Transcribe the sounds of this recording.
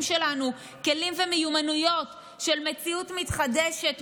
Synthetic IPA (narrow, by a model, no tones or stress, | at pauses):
mʃelanu | ke̞limvemejumanujo̞t | ʃe̞lmet͡siutmitχadeʃet